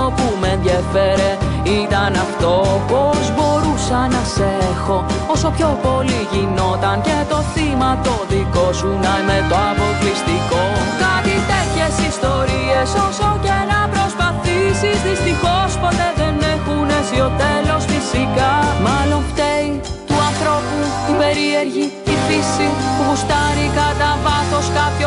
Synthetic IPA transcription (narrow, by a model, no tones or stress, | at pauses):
opume̞nðjɐfeɾe | it̪ɐnɐft̪o̞pozbo̞ɾusɐnɐsexo̞oso̞pço̞po̞liʝino̞t̪ɐŋce̞t̪o̞θimɐt̪o̞ðiko̞suinɐmet̪o̞ɐpo̞klist̪iko̞kɐt̪ist̪eçe̞sist̪o̞ɾie̞so̞so̞cenɐpɾo̞spɐθisiðist̪ixo̞spo̞t̪e̞ðenexunesio̞t̪e̞lo̞sfisikɐmɐlo̞nft̪ei | t̪uɐnθɾo̞put̪ipe̞ɾie̞ɾʝiː | fisit̪uɣust̪ɐɾikɐt̪ɐvɐθo̞skɐpço